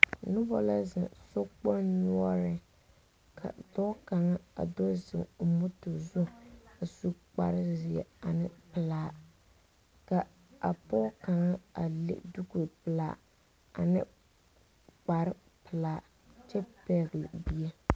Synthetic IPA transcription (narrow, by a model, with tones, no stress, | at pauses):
nʊ˦bɔ˦la˦zɪ̰˨so˦k͡pɔ˦nnu˦ɔ˦ɾɪ˨ | kʰa̰˨dɔ˦ka˨ŋa˦a̰˨do˦zɪ̰˨ŋo˨mʊ˦to˨zʊ˦a˨su˦k͡pa̰˨ɾɪ˦zɪ˨ɛ̰˨a˨nɪ˦pɨ˨laː˦ | ka˨ | a˨pɔ˦ka˨ŋa˦a˨lḛ˦du˦ku˨pɨ˨laː˨ | a̰˨nɪ˦ | k͡pa˨ɾɪ˦ | pɨ˨laː˨˦ | t͡ʃɛ˦pɛ˦˨ɣlbi˦ɛ˦